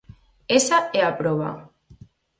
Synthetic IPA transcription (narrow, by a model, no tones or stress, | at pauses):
esaeapɾoβa̰